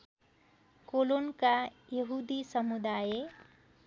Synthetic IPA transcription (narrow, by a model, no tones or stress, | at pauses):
kolonkajʌɦud̪isʌmud̪aje